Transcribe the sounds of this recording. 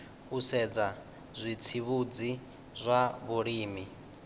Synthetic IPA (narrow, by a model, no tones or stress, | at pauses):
usɛd͡za | zʷit͡sʰiβud͡zi | zʷaβuɺiːmi